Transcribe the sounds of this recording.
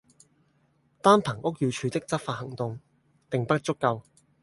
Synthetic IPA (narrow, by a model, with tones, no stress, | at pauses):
t̪aː˥npʰɐ˨˩ŋʔʊ˥k̚jyː˧t͡ʃʰyː˨˧t̪ɪ˥k̚t͡sɐ˥p̚faː˧t̚hɐ˨˩ŋt̪ʊ˨ŋ | t̪ɪ˨ŋpɐ˥t̚t͡sʊ˥kːɐ˧w